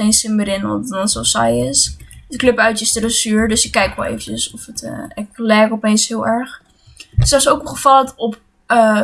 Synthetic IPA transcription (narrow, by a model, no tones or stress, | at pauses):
ejnsɪmbəɾɪnɔ̰nɔnsosa̰jɪsdəkløpœɥtəstərəsyːɹdøsɪkːɛjkʋɛ̰lˠḛjvət͡ʃəsɔfətə̰ɛklɛːkɔpenshɪəlˠɛɹχ | dsɔsowkχəfɑlˠtɔp | ə